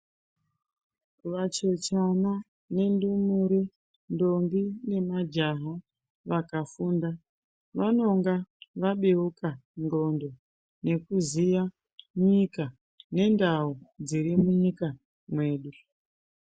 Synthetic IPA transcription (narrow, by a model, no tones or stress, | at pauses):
ʋat͡ʃe̞t͡ʃana | ne̞ndumuɾe | ndoŋɡine̞mad͡ʒaɦo | ʋakafuːnda | ʋano̞ŋɡaʋaɓeukaŋɡo̞ndo̞ | ne̞kuzija | mɲika | ne̞ndaud͡ziɾimuɲika | mwe̞ːɗu